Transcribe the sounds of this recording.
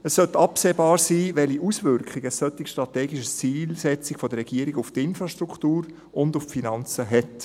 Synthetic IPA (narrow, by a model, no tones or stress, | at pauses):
əsːœt̪ɑpseːbɑːɾsiːvɛliʔusvʏɾkχiɡ̥əsːœt̪ːɪkʃtɾɑtɛːɡiʃəst͡siːlsɛt͡sɪɡ̥fɔdəɾːɛɡ̥iːəɾiɡʊftɪnfɾɑʃtɾʁukʰtuːɾ | ʊndʊffinɑnt͡səɦɛt